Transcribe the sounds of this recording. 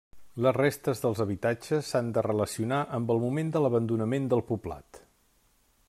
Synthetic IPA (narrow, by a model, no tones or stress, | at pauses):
ləzrest̪əzðəlˠzəβit̪ad͡ʒəsːand̪ərələsiunaʔəmbəlˠmumend̪ələβənd̪unəmend̪əlˠpubla̰t̪